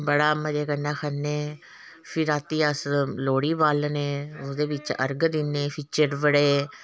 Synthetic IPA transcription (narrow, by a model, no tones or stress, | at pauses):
bəɽaːməd͡ʒeːkənːãːkʰənːeː | pʰɪɾaːt̪iːəsloːɽiːbaːlneːʊd̪eːbɪt͡ʃə̰ɾɡd̪ɪnːeːpʰiːt͡ʃəɾbəɽeː